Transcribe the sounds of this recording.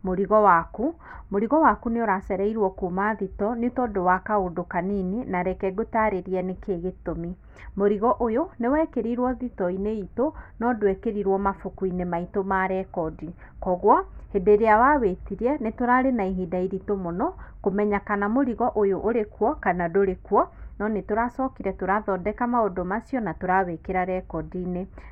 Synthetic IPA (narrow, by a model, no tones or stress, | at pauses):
moɾiɣɔwaku | moɾiɣɔwakuneoɾasɛɾɛiɾwɔkumaðitɔnetɔdowakaodokanininaɾɛkɛɡotaɾeɾiɛnekeɣetomi | moɾiɣɔʔojonewɛkeɾiɾwɔðitɔineitonɔdwɛkeɾiɾwɔmafokuinemaitomaɾɛkɔdi | kɔɣwahedeɾeawawetiɾɛnetoɾaɾenaiɦidaiɾitomonɔkomɛɲakanamoɾiɣɔʔojoʔoɾekwɔkanadoɾekwɔnɔnetoɾasɔkiɾɛtoɾaðɔdɛkamaodomasjɔnatoɾawekeɾaɾɛkɔdine